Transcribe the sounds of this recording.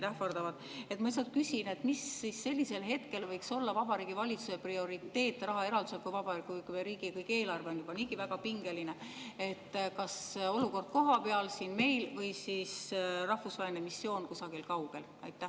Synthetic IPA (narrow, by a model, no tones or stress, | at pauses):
t̪æhfɑrd̪ɑvɑd̪ | e̞t̪ːmɑis̬ɑd̪̚kysʲine̞t̪misːisːe̞lʲːise̞lɦe̞t̪ke̞lvɤjkso̞lːɑvɑbɑɾiːɡ̥ivɑlʲit̪suse̞prio̞ɾit̪ːe̞ːt̪ːˑrɑɦɑe̞ɾɑld̪uselkujvɑb̥ɑɾikːˑujkumeɾiːɡ̥ikɤjkːe̞ːlɑrve̞o̞njub̥ɑniːɡ̥ivæɡ̥ɑpiŋɡe̞line̞e̞t̪ːkɑso̞luko̞rd̪̥̚ko̞ɦɑpe̞ɑlsiːnme̞jlvɤjsisrɑhfusvɑːelinemisːjo̞ːnkusɑɡ̥ilkɑwɡ̥e̞l | ɑ̰jt̪ːˑæh